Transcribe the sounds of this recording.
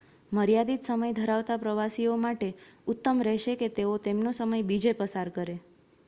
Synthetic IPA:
məɾijad̪it̪səməjd̪ʱəɾaʋt̪apɾəʋasiomaʈeʊt̪ːəmɾɛɦʃeket̪eot̪emnosəməjbid͡ʒepəsaɾkəɾe

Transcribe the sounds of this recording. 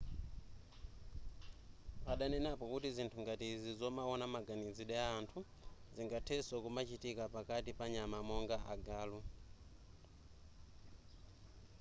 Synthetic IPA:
paɗanɛnapɔkutizintʰuŋɡatizizɔmaɔnamaɡaniziɗɛaːntʰu | ziŋɡatʰɛsakumat͡ʃitikapakatipaɲamamɔŋɡaʔaɡaːlu

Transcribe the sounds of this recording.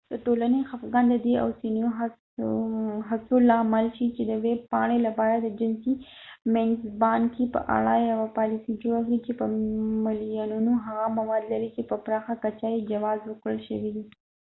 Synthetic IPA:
d̪̥əʈolanexafɡand̪əd̪ea̰wsinioɦa | ɦasolɑmalʃit͡ʃed̪əweb̚pɑɳ̃elapɑɾad̪əd͡ʒɪnsi | menzbɑnkepə̰ʔa̰ɽajawapɑlɪsid͡ʒoɽakɽit͡ʃepəmɪljanunoɦaɣamawɑd̪laɾit͡ʃepəpɾɑxakat͡ʃajed͡ʒawɑzwəkɽəlʃəwid̪i

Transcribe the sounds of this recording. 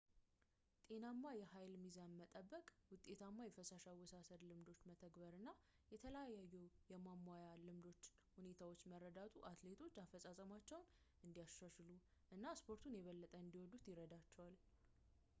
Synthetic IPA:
t̪ʼe̞namːajɛɦajlmizamːət̪ʼəbːəkʼwʊt̪ʼːe̞t̪ʰamːajɛfəsaʃawɔsasəd̪lɨmd̪o̞t͡ʃːmət̪ʰəɡbəɾɨnːa | jɛt̪ʰələjajajːɛwjɛmamːajalɨmd̪o̞t͡ʃː | hune̞t̪ʰawo̞t͡ʃːməɾːəd̪at̪ʰʼuʔat̪le̞t̪ʰo̞t͡ʃːafəsʼasʼəmat͡ʃːɛwn | ʔɨnd̪ijaʃaʃɨlu | ʔɨnːaspʰo̞ɾt̪ʰunjɛβəlːət̪ʼəɨnd̪iwɔd̪ut̪jɪɾəd̪at͡ʃːɛwal

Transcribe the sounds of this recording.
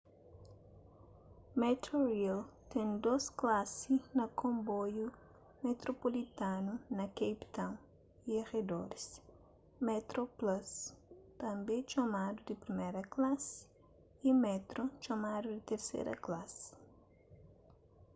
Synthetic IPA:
met̪oɾilt̪ẽnd̪osklasinɐkõmboju | met̪ɾopolit̪ãnunɐkejpt̪ɐ̃w̃ | ieʁed̪oɾis | mɛt̪ɾoplast̪ɐ̃mbẽt͡ʃomad̪ud̪ɪpɾimeɾɐklasɪ̥ | imɛt̪ɾot͡ʃomad̪ud̪ɪt̪eɾsḛɾɐ̰klas

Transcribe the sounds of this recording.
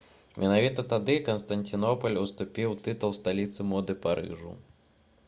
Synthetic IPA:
mʲɛnavʲit̪ɐt̪ad̪ɨkɐnst̪ɐnʲt̪ʲinɔpɐlʲust̪upʲiwt̪ɨt̪ulˠst̪alʲit̪sɨmɔd̪ɨpaɾɨ̰ʐṵ

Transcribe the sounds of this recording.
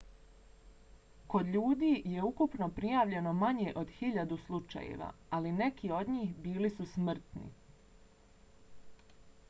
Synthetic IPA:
ko̞d̪ʎuːd̪iːje̞ukupno̞pɾijaːʋʎe̞no̞maɲeʔo̞d̪hiʎad̪uslˠut͡ʃa̰jḛʋa̰aline̞kio̞d̪ɲiːxbiːlisusmr̩t̪nḭ

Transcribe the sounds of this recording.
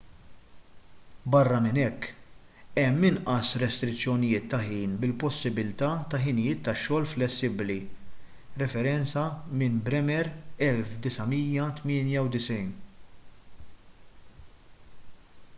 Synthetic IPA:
bɐrːɐmɪnɛkː | ɛmːɪnʔɐsɾɛst̪ɾɪt͡sːjɔnɪjɪːt̪ːɐħiːnbɪlpɔsːɪbɪlt̪ɐːt̪ɐħɪnɪjɪːt̪ːɐʃːɔːlflɛsːɪbli | ɾɛfɛɾɛnt͡sɐmɪnbɾɛmɛɾɛlfd̪ɪsɐmiːjɐt̪mɪːnjɐwd̪ɪsɛjn

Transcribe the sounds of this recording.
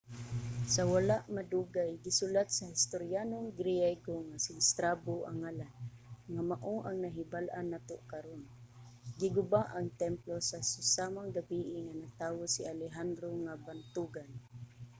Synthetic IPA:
sawalaʔmad̪uɡajɡɪsʊlat̪̚sahɪst̪oɾjanoŋɡɾijajɡoŋasɪɪst̪ɾaboʔa̰ŋalanŋamaʔoʔaŋnaɦɪbalʔanːat̪oʔkaɾonɡɪɡʊbaʔaŋt̪ɛmplosasasamaŋɡabiʔɪŋanat̪aːwosɪalɛɦand̪ɾoŋabant̪uɡan

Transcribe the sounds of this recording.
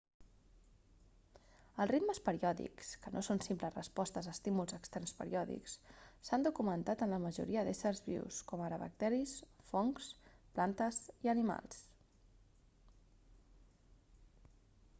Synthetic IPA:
əlˠrit̪məspəɾiɔðḭkskənʔosonsimpləzrəspɔst̪əzəːst̪imulˠzəkst̪ɛrnspə̰ɾḭɔðḭkssand̪ukumənt̪at̪ənləməʒṵɾiəðesərzβḭwskɔməɾəβə̰k̚t̪ɛɾisfɔŋsplant̪əziənima̰lˠs

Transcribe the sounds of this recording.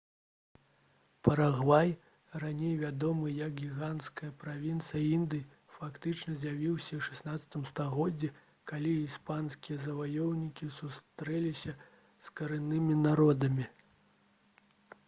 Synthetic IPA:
pɐɾaɣvaj | ranʲejvʲad̪ɔmɨjɐɡɡʲiɣant̪skɐjɐpɾavʲint̪sɨjɐind̪ɨj | fakt̪ɨt͡ʂnɐzʲjavʲiwsʲɐwʂɛ̥snat̪sɐ̥t̪ɨmst̪aɣɔd͡zʲːɛ | kalʲiispanskʲijɐzɐvajɔwnʲikʲisust̪ɾɛlʲisʲɐ | skɐɾɨnːɨmʲinaɾɔd̪ɐmʲi

